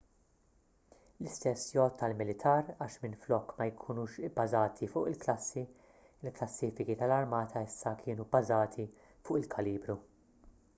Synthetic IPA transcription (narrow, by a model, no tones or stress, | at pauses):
lɪst̪ɛsːjɔt̪ːɐlmɪlɪt̪ʰɐːɾɐːʃmɪnflɔkːmɐjkʰuːnuːʃɪbːɐzɐːt̪ʰifʊːʔɪlklɐsːi | ɪlklɐsːiːfɪkit̪ɐlɐɾmɐːt̪ʰɐɪsːɐkʰɪːnubɐzɐːt̪ʰi | fʊːʔɪlkʰɐliːbɾu